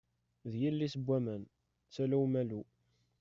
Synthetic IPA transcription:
ðjilːisəbʷːæmæn | t͡sːælæwmælu

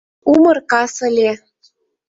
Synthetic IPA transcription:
umɤ̆rkɑsɤ̆lʲe

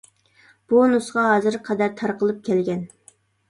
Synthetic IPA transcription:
b̥unusʁɑɦɑːzɨɾqʰɑd̪æɾt̪ʰɑɾqəlˠɨp̚kʲʰɛlɡʲɛn

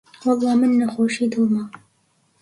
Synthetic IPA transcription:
wɑlˠˤːɑːmɨnːɐxoːʃiːd̪ulmɑ

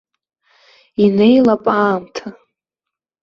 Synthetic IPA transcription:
ine̞jlapʼaːmtʰa

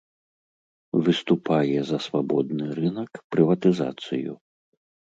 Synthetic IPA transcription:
vɨst̪upajɛzɐsvabɔd̪nɨɾɨnɐkpɾɨvɐt̪ɨza̰t̪sɨjṵ

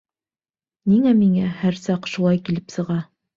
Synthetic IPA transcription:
niŋæmiŋæhæɾsɑqʃulˠɑjkilɘpsɤ̆ʁɑ

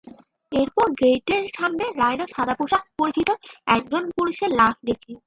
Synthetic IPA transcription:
eɾpɔɾɡejʈeɾʃamneɾajnoʃad̪apoʃak̚poɾit͡ɕit̪oɛk̚d͡ʑonpuliʃeɾlak̚ʰd̪ekɾi

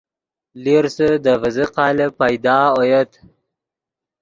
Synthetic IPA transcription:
liɾsəd̪əvəzəqɑːləpajd̪ɑːojət̪

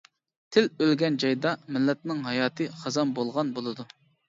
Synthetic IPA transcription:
t̪ʰɪlølɡʲɛnd͡ʒɑjd̪ɑmɪlːɛt̪̚nɪŋɦɑjɑːt̪ʰɨχɑzɑmbolˠʁɑnbolˠɨd̪u

